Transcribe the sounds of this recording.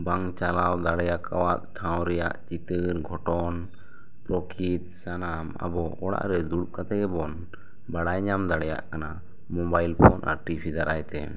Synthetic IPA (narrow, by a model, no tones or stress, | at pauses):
baŋt͡ʃalawd̪aɽɛjakʰawat̪̚ʈʰãw̃ɾɛja̰ʔt͡ʃit̪ɨɾɡʱɔʈɔn | pɾɔkʰit̪̚sanama̰bɔɔɽa̰ʔɾɛd̪uɽuʔkat̪ɛɡɛbɔn | baɽajɲamd̪aɽɛja̰ʔkana | mɔbajlpʰɔnʔa̰ɾʈibʰid̪aɾajt̪ɛ̰